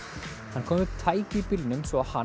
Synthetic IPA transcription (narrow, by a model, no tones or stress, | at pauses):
hankʰɔːmʏpt̪ʰaːjcɪpɪlnʏmsvɔaha